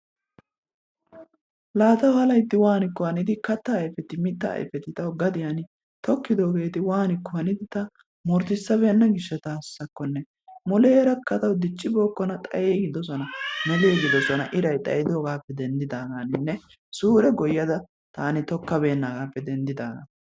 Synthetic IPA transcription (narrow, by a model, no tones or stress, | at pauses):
laːt̪ɐwhɐlɐjt̪ːɪwaːnɪkːɔɐnɪd̪ɪkɐt̪ːɐːjfɛt̪ɪmɪt̪ːɐ̰ːjfɛt̪ɪt̪ɐwɡɐd̪ɪjanɪ | t̪ɔkːɪd̪oːɡe̞ːt̪ɪwaːnɪkːɔhɐnɪd̪ɪt̪ɐ | mɔɾt̪ɪsːɐbe̞ːnːɐɡɪʃːɛt̪aːsːɐkːɔnːɛ | mɔleːɾɐkːɐt̪ɐwd̪ɪt͡ʃʼːɪbo̞ːkːɔnɐt̪ʼɐjeːɡɪd̪ɔsɔnɐmɛleːɡɪd̪ɔsɔnɐʔɪɾɐjt̪ʼɐ̰jɪd̪oːɡaːpːɛd̪ɛnd̪ɪd̪aːɡaːnɪnːɛ | suːɾɛɡɔjːɐd̪ɐ | t̪aːnɪt̪ɔkːɐbe̞ːnːaːɡaːpːɛd̪ɛnd̪ɪd̪aːɡɐ̰